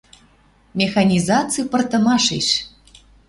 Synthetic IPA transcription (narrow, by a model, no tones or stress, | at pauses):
mʲexɑnʲizɑt͡sɨpɤ̆rt̪ɤ̆mɑʃeʃ